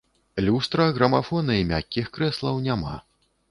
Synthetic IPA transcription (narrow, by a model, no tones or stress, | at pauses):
lʲust̪ɾɐɣɾɐmafɔnɐimʲakʲːixkɾɛslˠɐwnʲama̰